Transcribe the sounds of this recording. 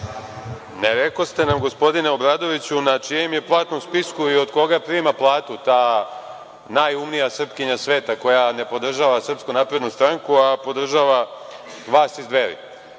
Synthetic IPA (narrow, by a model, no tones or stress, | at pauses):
neɾeko̞st̪e̞namɡospo̞d̪ine̞obɾaːd̪o̞ʋit͡ɕunat͡ʂijemje̞plˠaːt̪nomspiskuio̞d̪ko̞ɡapɾiːmaplˠaːt̪ut̪aː | najumnijasr̩pkiɲasʋe̞ːt̪ako̞jane̞po̞d̪r̩ʒaːʋasr̩pskunaːpɾe̞d̪nust̪ɾaŋkuapo̞d̪r̩ʒaːʋa | ʋaːsizd̪ʋeɾḭ